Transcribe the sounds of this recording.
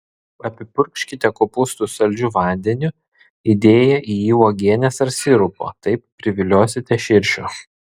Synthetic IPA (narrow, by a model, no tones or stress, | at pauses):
ɐpʲɪpʊɾʲkʲʃʲkʲɪt̪ʲɛkoːpʊst̪usɐlʲd͡ʒʲuʋɑˑnʲd̪ʲɛnʲʊ | id̪ʲeːjɛʔijiːoːɡʲiɛnʲesɐɾsʲɪɾʊpo̰ːt̪ɐɪp̚ːʲɾʲɪʋʲɪlʲoːsʲɪt̪ʲɛʃʲɪɾʲʃʲo